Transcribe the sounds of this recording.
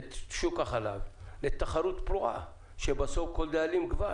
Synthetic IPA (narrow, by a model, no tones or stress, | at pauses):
ʃukaχala̰vlet̪aχaɾut̪pluʔa̰ | ʃebasofkold̪aalimɡva